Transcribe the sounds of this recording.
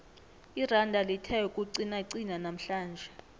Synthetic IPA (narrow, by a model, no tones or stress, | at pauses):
irandʱalitʰɛukʼuǀinaiǀinanam̩ɬaːnd͡ʒʱɛ